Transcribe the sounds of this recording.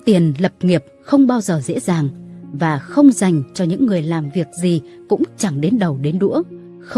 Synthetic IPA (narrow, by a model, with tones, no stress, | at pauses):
t̪i˨˩ənlə˨˩p̚ŋi˨˩əp̚xə˧wŋ͡mɓaː˧wzəː˨˩zḛ˧˥zaː˨˩ŋvaː˨˩xə˧wŋ͡mza˨˩jŋ̟t͡ɕɔ˧ɲɨ̰˧˥ŋːɨ˨˩əjlaː˨˩mvi˨˩ək̚zi˨˩ | kʊ̰˧˥ŋ͡mt͡ɕa˨˩ŋɗe˨˦nɗə˨˩wɗe˨˦nɗṵ˧˥ə